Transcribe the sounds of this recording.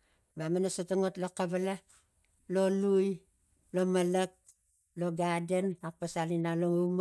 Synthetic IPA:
bamanasotoŋotlokaβala | lo̞luj | lo̞malak̚ | lo̞ɡadenapasalinaloŋum

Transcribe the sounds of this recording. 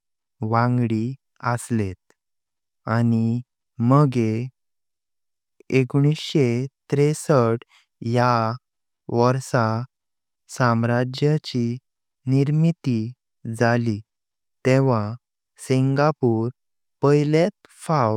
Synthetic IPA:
ʋãŋɡɽi | əslet̪̚ | ani | məɡe | eɡɽ̃isɕet̪ɾesəʈ | ja | ʋəɾsa | samɾad͡ʑjat͡ɕi | niɾmit̪i | d͡zali | t̪eʋa | siŋɡapuːɾ | pəjlet̪̚ | faw

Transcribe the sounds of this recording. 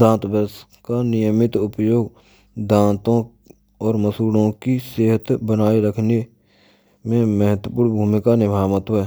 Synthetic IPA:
d̪ãːt̪bəs | kanɪjəmɪt̪ʊpjoːɡ | d̪ãːt̪õ | ɔːɾməsuːlõkiseːɦət̪bənaːiɾəkʰne | mẽməɦət̪wəpuːɽbʱuːmɪkanɪbʱaːmət̪ɛː

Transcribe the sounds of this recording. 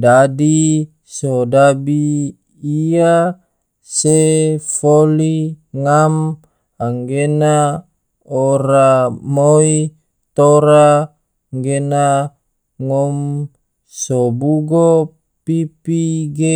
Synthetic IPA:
dadi | sodabiː | a | sefoliŋam | aŋɡena | oɾamoi | t̪oɾa | ŋɡena | ŋɔm | sobuɡo | pipiɡe

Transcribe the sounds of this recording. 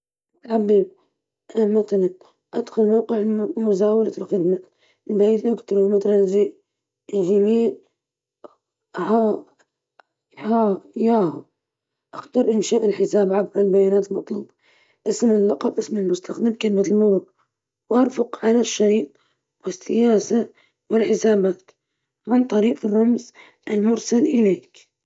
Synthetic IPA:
tʕabːiːb̚ | ʔamaθalan | ʔad̪xʊlmawqɪʕmʊzaːwalalxɪd̪ma | lbajiːt̪ʔʊkt̪ɑɾumat̪alanʒiʔ | ʒimiːn | a | ajaːhʊ | ʔaxt̪ɑɾˤʔɪnʃaːʔɪlħɪsaːbʕabalbajaːnaːt̪lmɑt̪ˤluːbɑ̥ | ʔɪsmɪlːɑqɑbʔɪsmɪlmʊst̪ʰaxd̪ɪmkalɪmat̪lmʊɾˤʊq | wʔɑɾˤfʊqʕalaʃːaɾiːʔ̪̚ | wɪsːɪjaːsa | wɪlħɪsaːbaːt̪ | mɪnt̪ˤɑɾiːqrˤːɑmz | ʔɪlmʊɾsalʔɪleːk

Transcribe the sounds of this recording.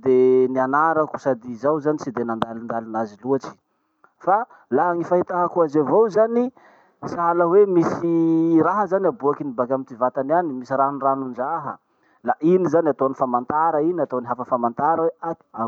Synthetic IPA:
d̪enianaɾaku̥sad̪izawzanit͡sid̪enand̪alind̪alinaziluat͡ʃi̥ | fa | laaŋifaɦit̪aɦakuazavozani | saɦaləwemisiraɦəzaniabuakinibakʲamit̪ivat̪ananimisiraniranund͡ʒaɦə̰ | laʔinizaniat̪onifamant̪aɾəinat̪oniɦafəfamant̪aɾəwead̪i̥a

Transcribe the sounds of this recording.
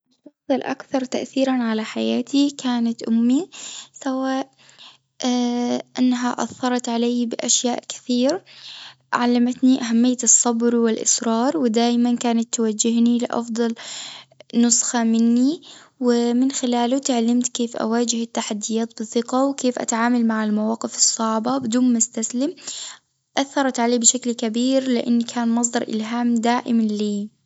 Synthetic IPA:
ʔɪʃːɑxsˤlʔa̰kθɑɾˤt̪aʔθiːɾanʕalaħajaːt̪ʰikʰaːnat̪ʔʊmːisawaːʔ | ʔanːɦaʔɑ̰θːɑɾˤɑt̪ʕalajbɪʔaʃjaːʔkɪ̥θiːɾ | ʕalːamat̪niʔaɦamːɪjːat̪ɨsˤːɑbɾwɪlʔɪ̰sɾɑːɾˤwɪd̪aːʔmankaːnat̪ːwad͡ʒːɪhnilɪʔɑ̰fd̪ˤɑl | nʊsxamɪnːi | wɪmɪnxɪlaːlʊt̪ɪʕalamt̪keːfʔa̰waːd͡ʒɪhɪt̪ːaħad̪ːɪjaːt̪bɨθɪqawkeːfʔa̰t̪aʕaːmalmaʕɪlmawaːqɪfɨsˤːɑʕbabɪd̪uːnmʊst̪aslɪm | ʔaθːɑɾˤɑt̪ʕaleːbɪʃaklkabiːɾlɪʔɪnːikʰaːnmɑs̬ˤd̪ɑɾˤʔɪ̰lɦaːmd̪aːʔɪmliː

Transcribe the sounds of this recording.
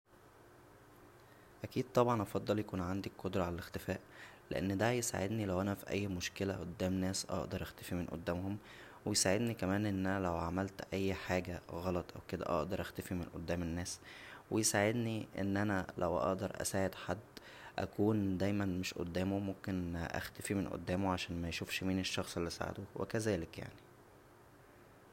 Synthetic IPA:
ʔækiːd̪̚t̪ˤɑbʕɑnʔɑfɑd̪ˤːɑljækuːnʕand̪ikkːod̪ɾˤɑʕalælext̪efæːʔlḛʔḛnːd̪æjesa̰ʕed̪nilæwʔænæfiʔæ̰jːmoʃkelæʔod̪ːæːmnæːsʔɑ̰ʔd̪ɑɾˤʔæxt̪æfimenʔo̰d̪ːæːmhom | wejsaʕed̪nikæmæːnʔenːʔænælæwʕamælt̪ʔæjːħaːɡæɣɑlɑt̪ˤʔæ̰wked̪æ̰ʔɑ̰ʔd̪ɑɾˤʔæxt̪æfimenʔo̰d̪ːæːmenːæːswejsaʕed̪niʔḛnːʔænælæ̰wʔɑ̰ʔd̪ɑɾˤʔæ̰saːʕed̪ħad̪ː | ʔæ̰kuːnd̪æjmænmeʃʔo̰d̪ːæːmomomkenʔæ̰xt̪æfimenʔo̰d̪ːæːmoʕaʃæːnmæjʃuːfʃmiːneʃːɑxsˤelːisa̰ʕḛd̪owʔḛkæzæːlekja̰ʕni

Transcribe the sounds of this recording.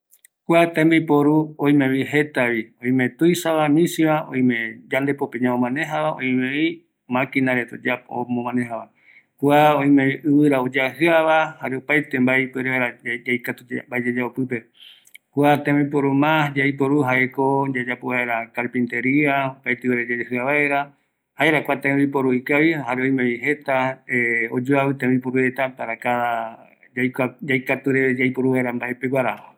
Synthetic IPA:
kwat̪ẽmbipoɾuõj̃mẽβiɦe̞t̪aβiõj̃mẽt̪ujsaβamĩsiβaʔõ̰j̃mẽd͡ʒand̪e̞popẽɲãõmãnẽɦaβaõ̰j̃mẽi | mãkinaɾet̪od͡ʒao̰mõmãnẽɦaβa | kuaõj̃mẽiʔɨβɨɾaod͡ʒaɦɨaβahaɾeopajt̪e̞mbajpɨɾeeɾad͡ʒajkat̪umbaed͡ʒad͡ʒaopɨpe̞ | kʷat̪ẽmip̬oɾumãd͡ʒajpoɾuɦaekod͡ʒad͡ʒapoβaeɾakaɾpĩnt̪eɾiaopajt̪ewaɾed͡ʒad͡ʒahɨaβaeɾa | haeɾakʷat̪ẽbipoɾuikaβihaɾeoj̃mẽiɦe̞t̪aeod͡ʒoaβɨt̪ẽmĩpoɾuet̪apaɾakaa | jkad͡ʒajkat̪uɾeed͡ʒajpoɾuβaeɾambaʔepeɡʷaɾa

